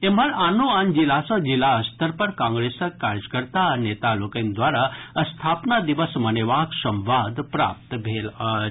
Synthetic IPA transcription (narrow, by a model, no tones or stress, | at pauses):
em̤aɾanoand͡ʑilasɔd͡ʑilaəst̪əɾpəɾkãŋɡɾesəkːaɾjəkəɾt̪anet̪alokẽnd̪ʋaɾaəst̪ʰapnad̪iʋəsməneʋaksəmʋad̪pɾa̰p̚t̪bʱela